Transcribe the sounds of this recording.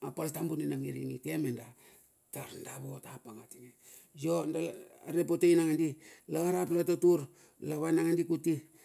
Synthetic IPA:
apaltambunenamiɾiŋike̞menda | taɾndaβotapaŋatiŋe | jondaa̰ɾepotejnaŋandilaɡahɾaplatotuɾ | laβajnaŋandikuti

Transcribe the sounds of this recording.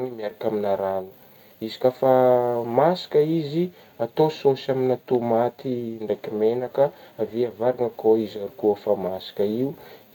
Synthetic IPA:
nimiaɾakʲaminaɾanu̥ | izi̥kʲafamasḁkəizi | at̪ososaminat̪omat̪iɳɖ͡ʐajkimenakəaviavaɾaŋəkoizaɾukufamasḁkəiu

